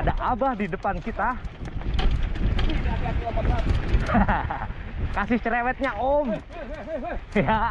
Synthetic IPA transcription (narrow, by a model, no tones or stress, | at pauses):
adaʔabahdidəpankit̪a | kasɪht͡ʃɾewɛt̪̚ɲaʔom | ja